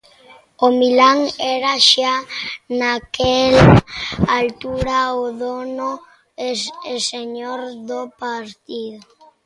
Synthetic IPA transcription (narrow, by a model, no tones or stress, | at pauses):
omilaŋɛɾaʃanakel | alt̪uɾaoðono | eeseɲoɾðopaɾt̪iðo